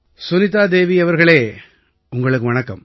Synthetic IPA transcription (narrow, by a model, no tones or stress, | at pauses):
sʊnɪt̪ːaːd̪eːʋiɐʋɐɾɣɐɭeː | ʊŋɡɐɭɯkːɯʋɐɳɐkːɐm